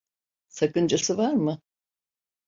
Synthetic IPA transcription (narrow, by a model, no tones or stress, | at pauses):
sakɯnd͡ʒasɯvaɾmɯ